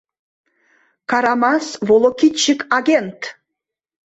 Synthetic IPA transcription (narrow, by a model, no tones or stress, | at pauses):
kɑɾɑmɑsvolˠokit͡ɕːəkɑɡʲent̪